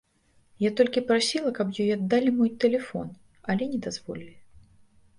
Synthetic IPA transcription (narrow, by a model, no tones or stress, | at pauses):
jat̪ɔlʲkʲipɾasʲilˠɐkɐpjɔjad̪ːalʲimɔjt̪ɛlʲɛfɔ̰n | ɐlʲɛnʲɛd̪azvɔlʲɪlʲɪ